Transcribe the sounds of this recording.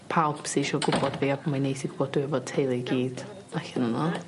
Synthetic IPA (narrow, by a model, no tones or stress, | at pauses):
pʰawˠbsiʃɔɡʊbɔdviːabɔmanejtiɡ̥ʊb̥ɔdd̥uɛvɔd̚tʰejlˠɨɡiːd̥ | aɬɛnənɔ